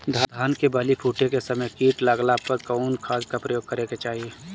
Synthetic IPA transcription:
d̪ʱad̪ʱaːnkebəlipʰuːʈekesɐməjkiːʈlaɡlapəɾkɔːnkʰaːskapɾəjoːɡ̚kəɾeket͡ʃaːɦie

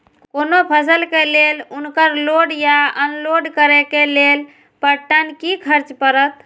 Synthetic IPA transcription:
kkonopʰəsəlkelelunkəɾloɖjaənloɖkəɾekelel | pəʈːənkikʰəɾt͡ʃpəɾət̪

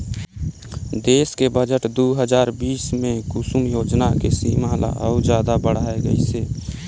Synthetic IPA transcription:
d̪eːskebəd͡ʒəʈd̪oɦəd͡ʒaːɾbiːsmẽkusumjoːd͡ʒnakesiːmala̰ʔəʊd͡ʒjaːd̪abəɽ̤aːeɡə̰ḭseː

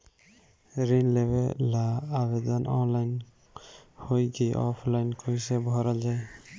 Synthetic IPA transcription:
ɾinlebɛlaːbɛdanʔɔnlajn | hojɡeʔɔpʰlajnkʰojsɛbʱɔɾazaj

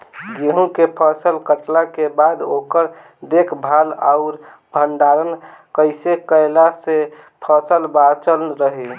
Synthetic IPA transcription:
ɡeɦũkepʰəsəlkəʈlakebad̪okəɾ | d̪ekʰbʱala̰ʊɾ | bʱəɳɖaɾənkəɪsekəɪlase | pʰəsəlbat͡ʃəlɾəɦi

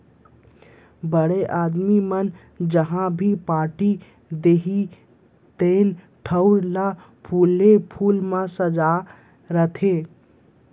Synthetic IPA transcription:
bəɽeʔaːd̪mimən | d͡ʒəɦãbʱipaːʈi | d̪eːɦi | t̪eːn | ʈʰəʊɾla | pʰuːlepʰuːlmãsəd͡ʒa | ɾət̪ʰeː

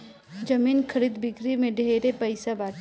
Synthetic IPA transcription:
d͡ʒɐmiːnkʰɐɾiːd̪bɪɡɾimẽɖʱeːɾepɐɪsabaː

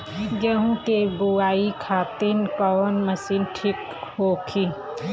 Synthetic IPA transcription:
d͡ʒeɦũt̪ebuaːikʰaːt̪inkɔːnmɐsinʈʰik | hoːkʰi

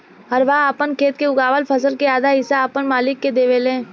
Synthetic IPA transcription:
ɦəɾʋaaːpənkʰeːt̪̚keʊɡaːʋəlpʰəsəlkeaːd̪ʱaɦɪsaːpənmaːlɪkːed̪eːʋelẽː

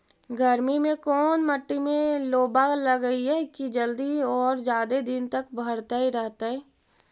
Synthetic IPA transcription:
ɡʱəɾmimẽkɔːnməʈːimẽloːbaləɡəiɦɛkid͡ʒəld̪iɔːɾd͡ʒjaːd̪ed̪ɪnt̪ɐkbʱəɽt̪aɦiɾɛɦt̪aɦɛː

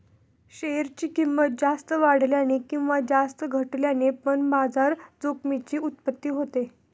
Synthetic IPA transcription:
ɕeɾt͡ɕiːkimːət̪̚d͡zast̪əʋaɽ̤ljanekĩw̃ʋad͡zast̪əɡʱəʈljanepəɳbad͡zaɾd͡zokmit͡ɕiːut̪̚pət̪ːiːɦot̪e

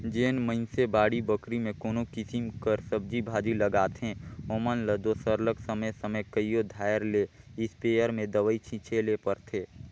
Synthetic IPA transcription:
d͡ʒeːnməɪnsebaːɽibəkɾimẽkoːnokɪsimkəɾsəb̚d͡ʒibʱaːd͡ʒiləɡaːt̪ɦẽoːmənləd̪osəɾləksəməjsəməjkəijod̪ʱaːjɾle | ɪspeːəɾmẽd̪əʋəit͡ʃʰit͡ʃʰelepəɾt̪ʰeː

